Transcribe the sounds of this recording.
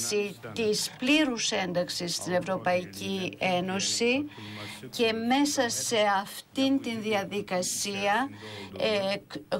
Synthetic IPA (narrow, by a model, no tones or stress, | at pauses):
sit̪ispliɾuse̞nd̪ɐksisːt̪ine̞vɾo̞pɐicie̞no̞si | ce̞me̞sɐse̞ɐft̪int̪inðiɐðikɐsiɐ